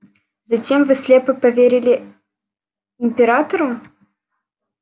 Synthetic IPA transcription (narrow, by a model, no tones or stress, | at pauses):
zɐtʲemvɨslʲepɨpɐvʲeɾʲɪlʲɪ | ɪmʲpʲɪɾat̪əɾʊ